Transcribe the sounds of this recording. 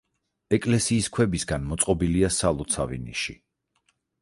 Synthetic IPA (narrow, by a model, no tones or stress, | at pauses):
ɛkʼlɛsiːskʰwɛbisɡanmɔt̪sʼqʼɔbiliasalˠɔt̪sʰa̰vḭnḭʃi